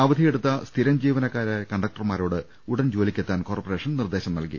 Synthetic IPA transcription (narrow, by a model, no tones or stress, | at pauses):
aːʋɐd̪ʱije̞ɽut̪ːɐst̪ʰiɾɐmd͡ʑiːʋɐnɐkːaːɾekɐɳɖɐk̚ʈɐrmaːɾo̞ːɽɨ | uɽɐnd͡ʑo̞ːlikʲːet̪ːaːnko̞ːrpɐre̞ːʂɐnnird̪e̞ːɕɐmnɐ̰lkḭ